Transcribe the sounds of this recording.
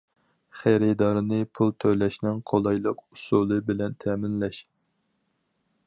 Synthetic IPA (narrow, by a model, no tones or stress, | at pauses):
χæɾɪd̪ɑɾɨnɨpʰulˠt̪ʰølɛʃnɪŋqʰolˠɑjlˠəqusulˠɨbɪlɛnt̪ʰɛːmɪnlɛʃ